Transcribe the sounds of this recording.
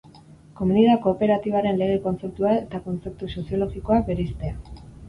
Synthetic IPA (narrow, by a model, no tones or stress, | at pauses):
ko̞muniðako̞ːpe̞ɾat̪iβaɾe̞nle̞ɣe̞ko̞nt͡se̞p̚t̪uaet̪ako̞nt͡se̞p̚t̪uso̞sio̞lo̞ɣiko̞akbe̞ɾest̪ea